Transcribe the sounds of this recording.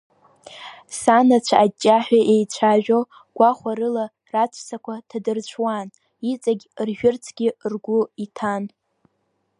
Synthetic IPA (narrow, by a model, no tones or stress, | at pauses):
sanat͡ɕʷʰaad͡ʒʼːaħʷᶣaʔe̞jt͡ɕʷʰaʒᶣo | ɡ̥ʷaχʷaɾɨla | rat͡ʃʷʰsakʷʰatʰadɨrt͡ɕʷʰwan | it͡sʼaɡʲrʒᶣʊrt͡sʰɡʲirɡʷʊitʰan